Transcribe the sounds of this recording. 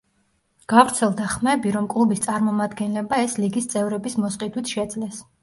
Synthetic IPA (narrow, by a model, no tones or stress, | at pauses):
ɡ̥avɾt̪sʰɛlˠd̪aχmɛbiɾɔmkʼlˠubist̪sʼaɾmɔmad̪ɡɛnlɛbaɛsliɡist̪sʼɛvɾɛbismɔsqʼid̪wit̪ʰʃɛd̪zlɛs